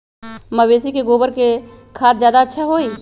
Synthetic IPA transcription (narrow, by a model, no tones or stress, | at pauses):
məʋeːsikeɡoːbəɾke | kʰaːt̪̚zjaːd̪aətːʃʰaɦoːiː